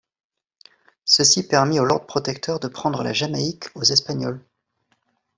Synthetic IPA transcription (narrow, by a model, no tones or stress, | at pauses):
səsipɛʁmiolɔʁd̪̚pχɔt̪ɛk̚t̪ʰœʁd̪əpχɑ̃d̪ʁəla̰ʒamaikʰozɛspaɲɔl